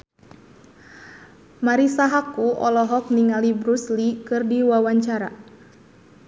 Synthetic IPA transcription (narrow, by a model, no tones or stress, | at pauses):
maɾisaɦakuʔɔlɔɦɔk̚niŋalibɾuslikɨrdiwawaɲt͡ʃaɾa